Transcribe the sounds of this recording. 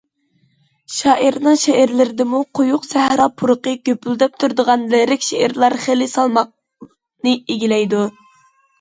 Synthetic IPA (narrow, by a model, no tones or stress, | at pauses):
ʃɑːʔiɾnɨŋʃeæɾlɪɾɪd̪ɪmuqʰojuqsæhɾɑpʰuɾʊqəɡʲøpyld̪ɛp̚t̪ʰuɾd̪əʁɑnlɪɾɪkʲʃeʔæɾlˠɑɾχelɪsɑlˠmɑq̚ | nɨeɡʲilɛjd̪u